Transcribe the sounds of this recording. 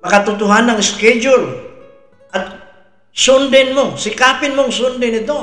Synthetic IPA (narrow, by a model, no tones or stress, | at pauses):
makat̪ut̪uɦanaŋskɛd͡ʒul | ka | sundɛnmuŋsikapinmuŋsundinit̪u